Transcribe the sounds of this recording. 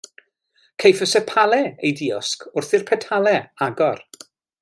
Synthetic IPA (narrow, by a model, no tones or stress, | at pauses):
kʰejfəsɛpʰalˠɛejdiɔskʰʊrθɪrpʰɛtʰalˠɛaɡɔr